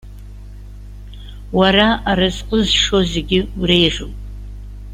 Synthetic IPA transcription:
waɾaaɾazqʼəzʂo̞ze̞ɡʲɪurejʒuwpʼ

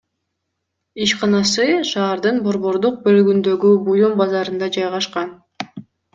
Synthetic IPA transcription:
iʃqɑnɑsɯʃɑːɾd̪ɯnbo̞ɾβo̞ɾd̪uq̚bø̞lyɡynd̪ø̞ɡybujumbɑzɑɾɯnd̪ɑd͡ʒɑjʁɑʃqɑn

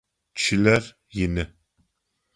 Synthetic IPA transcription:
t͡ʃʰɪlɐr | jɪnɨ

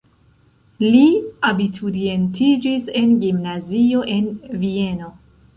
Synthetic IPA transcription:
liabitʰuɾie̞ntʰid͡ʒise̞nɡimnazio̞ʔe̞nvie̞no̞

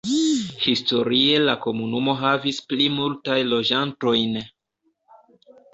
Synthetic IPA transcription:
histo̞ɾie̞lako̞munumo̞ɦavisplimultajlo̞d͡ʒanto̞jn

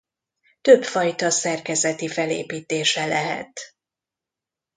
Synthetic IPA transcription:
t̪ø̞pfɒjt̪ɒsɛrkɛzɛt̪ifɛlḛːpiːt̪eːʃɛlɛɦɛ̰t̪

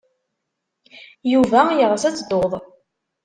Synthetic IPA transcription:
juvæjəʁθæt͡sːd̪oðˤ

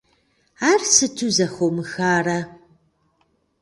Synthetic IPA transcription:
aːrsɨtʰuzɐχowmɨxaːrɐ

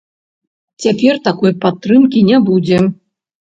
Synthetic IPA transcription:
t͡sʲapʲɛrt̪akɔjpat̪ːrɨmkʲinʲɛbud͡zʲɛ

